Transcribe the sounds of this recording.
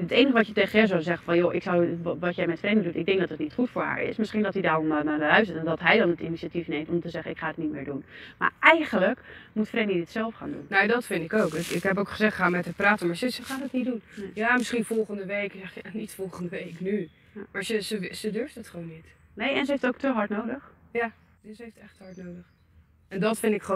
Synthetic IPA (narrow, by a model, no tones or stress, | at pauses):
ətejnəχəʋɑtjəteχəɛs̬ozɛχəfɑnjoʔɪksɔwʋɑtjɛjmɛtfrejndədutɪɡ̚dɛŋɡdɔtətnitχutfʊːɹɦa̰ːɹɪ̰smɪsχindɔtidaːrɔmnabəlœɥs̬ətɛndɔtɦɛjdɑnətiniiatifnejmtɔmtəzɛχənɪkχaːətnit̚mɪːɹdunma̰ːɹɛjχələkmutfrejnidɪtsɛlˠfχa̰ːndṵnnodɔtfɪntɪkowkɪkɪkɦɛp̬owkχəzɛχtχəɦamɛtəpraːtəmaɹsəsəχaːdəthiːdunjaːmɪsχinfɔlˠχəndəʋejkzɛχanitfɔlˠχəndəʋejkny | maːɹsəzəsədøɹftətχəʋownːit | nejɛnsəɦejftowk̚təɦɑɹtnowdəχja | zəɦejftɛχtəɦɑɹtnowdəχ | ɛndɑtfɪndɪkχ